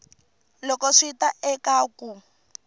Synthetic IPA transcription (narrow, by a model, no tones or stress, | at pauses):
lɔkɔʂitaʔɛkaːku